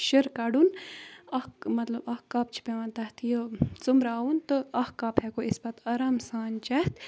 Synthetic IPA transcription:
ʃəɾkɐɖunɐhmɐt̪lɐbɐhkːɐp̚t͡ʃʰi̥peʋɐnt̪ɐht̪ʰijot͡sumɾaːunt̪ɨɐhkɐphekoisbɐt̪ɐɾaːmsaːnt͡ʃɐht̪

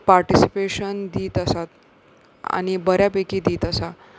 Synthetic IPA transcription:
paɾʈisi̥peɕənd̪iːt̪əsat̪ | a̰ñibəɾjapekiːd̪iːt̪əsa

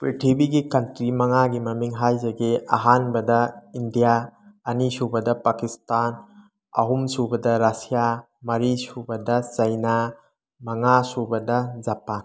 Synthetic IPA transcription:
pɾitʰibiɡikɐntɾimɐŋaɡimɐmiŋɦajzɐɡeɐ̰ɦanbɐdɐindijaɐnisubɐdɐpakistan | ɐ̰ɦumsubɐdɐɾasija | mɐɾisubɐdɐt͡ʃɐjna | mɐŋasubɐdɐzapan

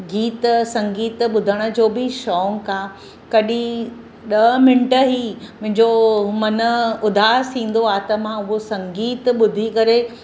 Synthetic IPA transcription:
ɡiːt̪sɐ̃ŋɡiːt̪ɓʊd̪ʱəɽ̃ə̆d͡ʑoːbɪʃɔːŋkãː | kɐɗĩ | ɗɐmɪ̃ɳʈəɦimʊ̃ɦɪ̃ɲd͡ʑomɐnəʊd̪ʱaːsʰĩːn̆d̪oaːt̪ɐmãʊɦosɐ̃ŋɡiːt̪ɓʊd̪ʱikɐɾe

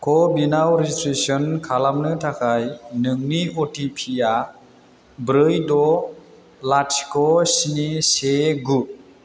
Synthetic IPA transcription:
kʰɔbinawɾeistɾesɔnkʰalamnɯtʰakʰajnɯŋniɔtipʰija | bɾɯjdɔ | latskɔsiniseɡut̚

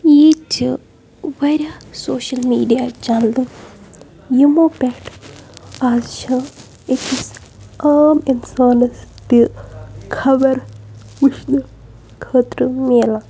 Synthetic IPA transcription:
eːt͡ʃi | ʋɐɾʲɐsoːʃɐlmiːɖijat͡ʃɐnd̪ɨ | jimoːpʲɛʈ | aːzʃãː | ekis | aːminsaːnɐst̪ikʰɐbɐɾ | ʋuʃnɨ | kʰəːt̪ɾɨmeːla

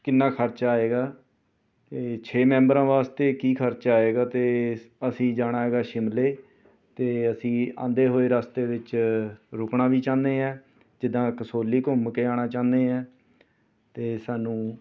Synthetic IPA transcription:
kɪnːaːkʰəɾt͡ʃaːeːɡaː | t̪eːt͡ʃʰeːmɛ̃ːmbəɾãːʋaːst̪eːkiːkʰəɾt͡ʃaːeːɡaːt̪eːəsĩːd͡ʒaːɽ̃aːɦeːɡaːʃɪmleː | t̪eːəsĩːã̰ːnd̪eːɦoːeːɾaːst̪eːʋɪt͡ʃɾʊkɳaːʋiːt͡ʃãːnd̪eːɛ̃ː | d͡ʒɪd̪ãːkəsoːlːiːkʊmkeːaːɽ̃aːt͡ʃãːnd̪eːɛ̃ː | t̪eːsaːnũː

